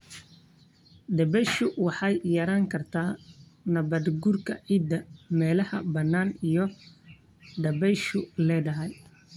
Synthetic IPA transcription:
ɖ̪ɐbɛjʃʊwɑħɑjjɐɾaːŋkʰɐrt̪ʰaːnɐβɐd̪ɡʊrkʰɐ̰ʕiːd̪ɐmɛːlɐhɐ̰bɐnːaːnijɔ | ɖ̪ɐbɛjʃʊlɛːdɐɦɛj

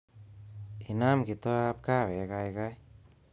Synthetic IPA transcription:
hinamɡit̪ɔap̚kawɛɡajɡaj

